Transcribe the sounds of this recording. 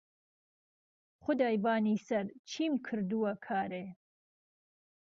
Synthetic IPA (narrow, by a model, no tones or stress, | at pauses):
χʊd̪ɑːjbɑːniːsɐɾt͡ʃʰiːmkʰɨɾd̪uwɐkʰɑːɾe